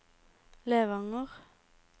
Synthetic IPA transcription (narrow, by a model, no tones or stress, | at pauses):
leːʋɑŋəʁ